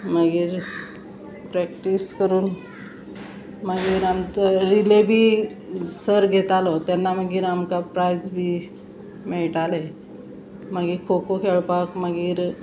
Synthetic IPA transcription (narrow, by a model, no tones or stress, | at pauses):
məɡiːɾ | pɾɛkʈiskəɾuːn | məɡiːɾamt͡səɾilebʱiː | səɾɡʱet̪alɔt̪janːaməɡiːɾamkapɾajd͡zbʱiː | meɭʈale | məɡiːɾkʰokokʰeɭpakməɡiːɾ